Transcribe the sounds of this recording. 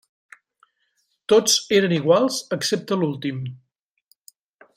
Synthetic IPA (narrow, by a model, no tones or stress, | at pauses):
t̪ot͡seɾəniɣ̞walˠzəksep̚t̪əlulˠt̪im